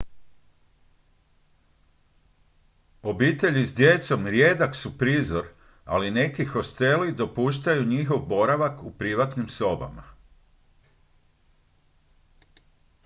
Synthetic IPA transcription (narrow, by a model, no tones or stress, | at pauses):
o̞biːt̪e̞ʎizd̪je̞t̪so̞mɾjed̪aksupɾiːzo̞ɾ | a̰line̞kixo̞st̪e̞lid̪o̞puːʃt̪ajuɲixo̞ʋbo̞ɾaʋakupɾiʋat̪nimso̞ba̰ma̰